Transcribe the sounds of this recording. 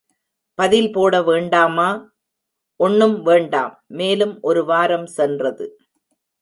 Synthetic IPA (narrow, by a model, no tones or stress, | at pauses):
pɐðɪlpoːɽɐʋeːɳɖaːmaː | ʔɔɳːɯmʋeːɳɖa̰ːmːeːlɯmʔɔɾɯʋaːɾɐmsɛndrɐðɯ̰